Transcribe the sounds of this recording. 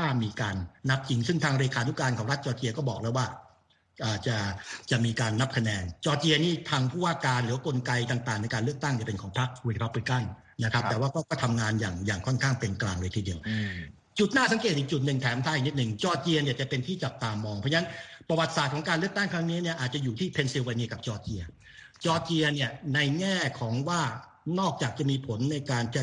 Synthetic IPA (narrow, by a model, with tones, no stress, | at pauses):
t̪ʰaː˥˩miː˧kaː˧nːa˦˥p̚t͡ɕi˧ŋsɯ˥˩ŋt̪ʰaː˧ŋɾeː˧kʰaː˧nu˦˥kaː˧nkʰɔː˩˦ŋɾa˦˥t̪̚t͡ɕɔː˧t͡ɕi˧ɐkɔː˥˩bɔː˨˩k̚lɤː˧˦˥waː˥˩ | ʔaː˨˩t͡ɕa˨˩t͡ɕa˨˩miː˧kaː˧nːa˦˥p̚kʰa˧nɛː˧nt͡ɕɔː˧t͡ɕi˧ɐniː˥˩t̪ʰaː˧ŋpʰuː˥˩waː˥˩kaː˧nlɯː˨˦wa˧ko˧nka˧jt̪aː˨˩ŋt̪aː˨˩ŋna˧jkaː˧nlɯ˥˩əkt̪a˥˩ŋni˥˩pe˧nkʰɔː˩˦ŋpʰa˦˥˩k̚i˧t̪̚pʰa˦˥p̚li˦˥ka˥˩n | na˦˥kʰa˦˥pt̪ɛː˨˩waː˥˩kɔː˥˩kɔː˥˩t̪ʰa˧mŋaː˧njaː˨˩ŋjaː˨˩ŋkʰɔ˥˩nkʰaː˥˩ŋpe˧nklaː˧ŋlɤː˧jt̪ʰiː˧˩i˧˩əw | t͡ɕu˨˩t̪̚naː˥˩sa˨˦ŋkeː˨˩t̪̚ʔiː˨˩k̚t͡ɕu˨˩t̪̚nɯ˨˩ŋt̪ʰɛː˨˦mt̪ʰaː˧˥˩ni˦˥t̪̚nɯ˨˩ŋt͡ɕɔː˧t͡ɕi˧ɐni˥˩ɐt͡ɕa˨˩pe˧nt̪ʰiː˥˩t͡ɕa˨˩p̚t̪aː˧mɔː˧ŋpʰɔ˥˩˥na˦˥npɾa˧wa˨˩t̪̚saː˨˩t̪̚kʰɔ˩˦ŋkaː˧nlɯ˥˩ək̚t̪a˥˩ŋkʰɾa˦˥ŋniː˦˥ni˥˩ɐʔaː˨˩t̪̚t͡ɕa˨juː˨˩t̪ʰiː˥˩pʰe˧nsi˧waː˧niː˧ka˨˩p̚t͡ɕɔː˧t͡ɕi˧ɐ | t͡ɕɔː˧t͡ɕi˧ɐni˥˩ɐna˧jŋɛː˥˩kʰɔː˩˦ŋwaː˥˩ | nɔː˥˩k̚t͡ɕaː˨˩k̚t͡ɕa˨˩miː˧pʰo˩˦nːa˧jkaː˧nt͡ɕa˧˩